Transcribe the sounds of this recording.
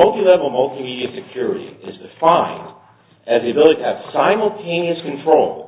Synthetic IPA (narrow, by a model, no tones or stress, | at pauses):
ʌlˠtilɛvl̩ˠmʌlˠtimiɾiɨsɨkʰj̥ʊɹɨɾḭɪzdɨfãɪ̃nd | ɨzðiɨbɪlˠəɾitʰɨɨv̥sãɪ̃ml̩ˠtʰẽɪ̃niɨskɨ̃ntʰɹ̥oʊlˠ